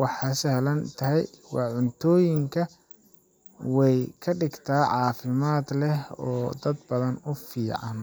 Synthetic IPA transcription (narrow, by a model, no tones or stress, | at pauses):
wɑħɑsɐhlɐnt̪ʰɐɦɛjwɑ̰ʕʊnt̪ʰɔːjɪŋkʰɐ | wɛjkʰɐɖɪɡt̪ʰaːʕɑːfɪmaːd̪lɛhɔːd̪ɐd̪bɐðɐnʊfiːʕɑn